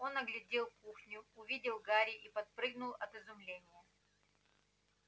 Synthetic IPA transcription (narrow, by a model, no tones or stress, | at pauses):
o̞nɐɡlʲɪdʲelˠkuxnʲʊʊvʲidʲɪlˠɡaɾʲɪʔipɐt̪̚pɾɨɡ̚nʊlˠɐt̪ɨzʊmlʲenʲɪjə